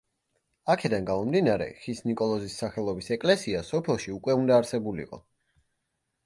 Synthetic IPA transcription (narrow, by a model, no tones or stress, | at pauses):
akʰɛd̪anɡamɔmd̪inaɾɛ̰χisnikʼɔlˠɔzisːaχɛlˠɔbisɛkʼlɛsiasɔpʰɛlˠʃiukʼwɛund̪aːɾsɛbulḭqʼɔ̰